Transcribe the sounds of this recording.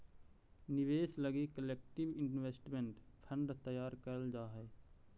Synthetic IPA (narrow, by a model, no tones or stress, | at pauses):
nɪʋeːsləɡikəleːk̚ʈɪbɪnnʋeːsʈmẽɳʈpʰə̃ɳɖt̪əjaːɾkəɾəld͡ʒaːɦɛː